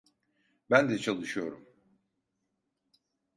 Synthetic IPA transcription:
bænd̪ɛt͡ʃʰalˠɯʃɯjo̞ɾum

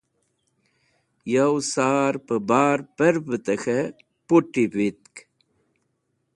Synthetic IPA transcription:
jɐwsaːɾpəbaːɾpəɾpət̪əxe | puʈːipit̪̚k

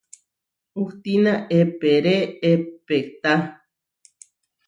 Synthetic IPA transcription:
uht̪inãʔepeɾeepekt̪a

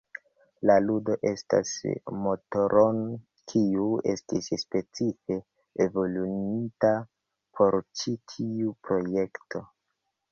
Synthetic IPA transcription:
laludo̞ʔe̞sta̰smo̞toɾon | kʰiue̞stisspe̞t͡sife̞ː | vo̞lunita | pʰo̞ɾt͡ʃitʰiupɾo̞je̞ktʰo

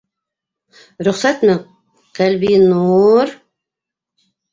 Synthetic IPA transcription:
ɾʊχsat̪mɘ | qælbinuɾ

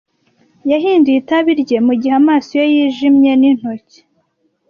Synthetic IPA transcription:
jaɦiːndiːtaβiɾɟe̞muɟihamaːsojojiːʒimɲe̞nin̥hoce̥

